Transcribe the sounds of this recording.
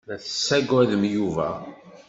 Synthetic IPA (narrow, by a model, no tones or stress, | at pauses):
ðæθə̥sːæɡæðəmjuvæ̰